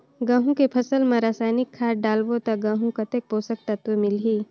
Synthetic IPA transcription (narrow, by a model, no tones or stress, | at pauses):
ɡãːɦũkepʰɐsəlmẽɾaːsaːjnɪkʰːaːɾɖaːlbot̪ɐɡãːɦũkɐt̪ek̚poːsək̚t̪ɐt̪emɪlɦiː